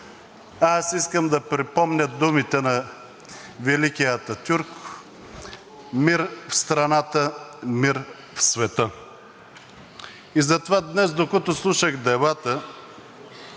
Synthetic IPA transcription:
asiskəmd̪ɐpɾipɔmnʲəd̪umit̪ɛnɐ | vɛlikijət̪ɐt̪ʲuɾk | miɾfst̪ɾɐnat̪əmiɾ | fsvɛt̪ə | izɐt̪ovad̪nɛzd̪okɔt̪ʊslˠuʃəɣd̪ɛbat̪ə

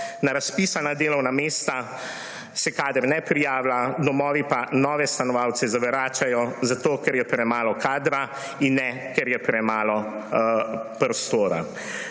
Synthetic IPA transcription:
naɾaspiːsanad̪eːlɔwnameːst̪a | sɛkaːd̪əɾnɛpɾijaːwlad̪ɔmɔːʋipanɔːʋɛst̪anɔʋaːwt̪sɛzaʋɛɾaːt͡ʃajɔzat̪oːkɛɾjɛpɾɛmaːlɔkaːd̪ɾa | inːɛ | kɛɾjɛpɾɛmaːlɔ | pɾɔst̪oːɾa̰

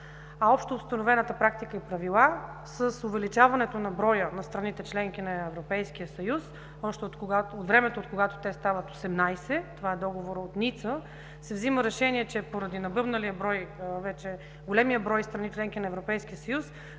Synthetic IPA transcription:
ɐɔpʃt̪oːst̪ɐnovɛnət̪əpɾak̚t̪ikəipɾɐvilˠa | səsovɛlit͡ʃavɐnɛt̪onɐbɾɔjənɐst̪ɾɐnit̪ɛt͡ʃlɛŋk̟inɐɛvɾopɛjskijəsɐjus | ɔʃt̪ɛot̪aot̪vɾɛmɛt̪oot̪̚koɡat̪o̥t̪ɛst̪avət̪o̥sɛmnajsɛt̪ovaɛd̪ɔɡovoɾəot̪nit̪sə | sɛvziməɾɛʃɛniɛt͡ʃɛpoɾɐd̪inɐbɤbnəliəbɾɔjvɛt͡ʃɛ | ɡolɛmijəbɾɔjst̪ɾɐnit͡ʃlɛŋk̟inɐɛvɾopɛjskijəsɐjus

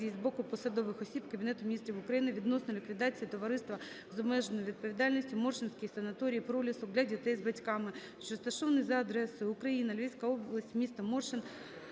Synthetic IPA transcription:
ijzbɔkʊpɔsɐd̪ɔʋɪxɔsʲibkɐbʲinɛt̪ʊmʲnʲist̪ɾʲiʋʊkɾɐjinɪʋʲid̪nɔsnɔlʲikʋʲid̪ɑt͡sʲijit̪ɔʋɐɾɪst̪ʋɐ | zɐbmɛʒenɔʋʲid̪̚pɔʋʲid̪ɑlʲnɔsʲtʲimɔrʃɪnʲsʲkɪjsɐnɐt̪ɔɾʲijːpɾɔlʲɪsɔɡdlʲɐdʲit̪ɛjzbɐtʲkɑmɪ | ʃt͡ʃɔst̪ɐʃɔʋnɪjzɐɐd̪ɾɛsʊjʊʊkɾɐjinɐlʲijʲsʲkɐɔblˠɐsʲtʲmʲist̪ɐmɔrʃɪn

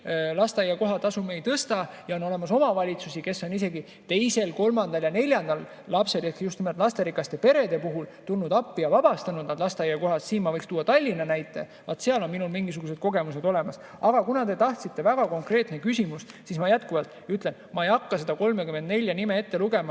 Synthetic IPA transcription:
lɑst̪eɑjːɑko̞ɦɑt̪ːˑɑsumejt̪ɤst̪ɑ | jɑo̞no̞le̞mɑso̞mɑvɑlʲit̪susike̞sːo̞nise̞ɡi | t̪e̞jse̞lko̞lmɑnd̪ɑljɑnelʲjɑnd̪ɑlː | ɑpse̞lekjust̪imelt̪ˑlɑst̪e̞ɾikˑːɑst̪e̞pe̞ɾe̞d̪e̞puɦult̪ulnud̪ɑpːijɑvɑb̥ɑst̪ɑnud̪nɑd̪̥lɑst̪eɑjːɑko̞ɦɑst̪siːnmɑvɤjkst̪uːɑt̪ɑlʲːinɑnæjt̪ːˑe̞̰ | vɑt̪seɑlo̞nminulmiŋɡisuɡ̥us̬e̥ko̞ɡe̞muse̞d̪̥o̞lemɑs | ɑɡ̥ɑkunɑt̪e̞t̪ɑht̪sit̪ːe̞væɡ̥ɑko̞ŋkreːt̪nekysʲimust̪sismɑjæt̪kuvɑlt̪ˑyt̪ˑlenmɑejɑkːɑse̞d̪̥ɑko̞lmekymend̪ne̞lʲjɑnimee̞t̪ːe̞luɡe̞mɑ

